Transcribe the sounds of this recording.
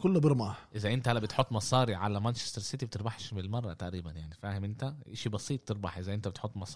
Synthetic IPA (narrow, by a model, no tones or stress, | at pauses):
kolːbeɾmɑːʔezæʔent̪æʔælːæbet̪ħot̪ˤːmɑsˤɑːɾiʕalæmænt͡ʃe̥st̪eɾˤset̪ibet̪eɾbɑħʃmelmɑrˤːɑt̪aʔɾiːbænjaʕnifæːhemʔent̪æʔeʃibɑsiːt̪ˤt̪ːeɾˤbɑħʔezæʔent̪æbet̪ħot̪ˤːmɑsˤɑː